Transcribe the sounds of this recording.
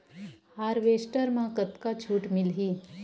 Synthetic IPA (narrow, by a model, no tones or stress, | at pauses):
aːɾʋeːsʈəɾmãkət̪kat͡ʃʰuːʈmɪlɦiː